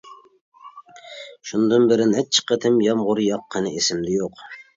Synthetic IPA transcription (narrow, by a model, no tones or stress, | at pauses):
ʃund̪ɨnbɪɾɪnɛt͡ʃʰːɪ̥qʰət̪ʰɪmjɑmʁʊɾjɑqʰːənɨesɪmd̪ɪjoq